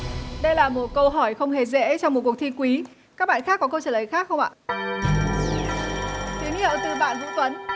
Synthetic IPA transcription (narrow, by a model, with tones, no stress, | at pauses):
ɗə˧jlaː˨˩mo˨˩t̚kə˧wɦɔ˧˩jxə˧wŋ͡mɦe˨˩zɛ̰˧˥t͡ɕɔ˧wŋ͡mm˨˩t̚ku˨˩ək̚t̪ʰi˧kwi˨˦ | kaː˦˥k̚ɓa̰ː˧˨nxaː˦˥k̚ːɔ˨˦kə˧wt͡ɕəː˧˩ləː˨˩jxaː˦˥k̚xə˧wŋ͡mʔa̰ː˧˨ | t̪i˨˦ŋɲi˧˩ə˨t̪ɨ˧˩ɓa̰ː˧˨nvɨ̰˧˥t̪wə˨˦n